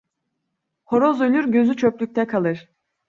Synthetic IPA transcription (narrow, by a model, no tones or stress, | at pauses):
ho̞ɾo̞zø̞lʲyɾɟø̞zyt͡ʃʰøplʲyc̚ʲt̪ʰɛkʰalˠɯɾ̥